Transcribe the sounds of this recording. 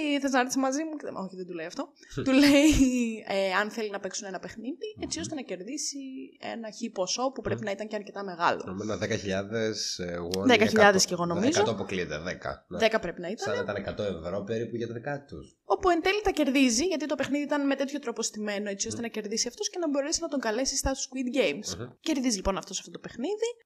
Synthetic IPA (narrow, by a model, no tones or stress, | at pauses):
θɐsnɐɾot̪isɐmɐzimuo̞çiðend̪uleiɐft̪o̞ | t̪uleieɐnθe̞linɐpe̞ksune̞nɐpe̞xniðie̞t͡sio̞st̪e̞nɐce̞ɾðisie̞̰nɐçipo̞so̞pupɾe̞pinɐit̪ɐɲceɐɾce̞t̪ɐme̞ɣɐlo̰omonɐðekɐçiʎɐðesɣoðekɐçiʎɐðesceɣo̞no̞mizɐooɐpoklit̪eðekɐ̰ðekɐpɾe̞pinɐit̪ɐɐnit̪ɐnekɐt̪o̞evɾo̞peɾipuʝɐt̪ɐðikɐt̪ṵs | o̞puent̪elit̪ɐce̞ɾðiziʝɐt̪it̪o̞pe̞xniðiit̪ɐnmet̪e̞t̪ço̞t̪ɾopo̞st̪ime̞noe̞t͡siost̪e̞nɐce̞ɾðisiɐft̪osce̞nɐbo̞ɾe̞sinɐt̪o̞ŋɡɐle̞sist̪ɐst̪uskwid̪ɟejmsce̞ɾðizilipo̞nɐft̪o̞sɐ̥ft̪ot̪ope̞xniði